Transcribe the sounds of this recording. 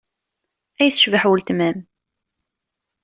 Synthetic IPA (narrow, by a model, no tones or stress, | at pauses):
æjθəʃvəħwəlt̪mæm